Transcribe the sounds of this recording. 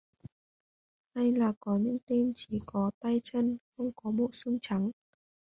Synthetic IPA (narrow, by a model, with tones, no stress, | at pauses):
ha˧jlaː˨˩kɔ˨˦ɲɨ̰˧˥ŋt̪i˧mt͡ɕi˧˩kɔ˨˦t̪a˧jt͡ɕə˧nxə˧wŋ͡mkɔ˨˦mo̰˧˨sɨ˧ŋt͡ɕa˨˦ŋ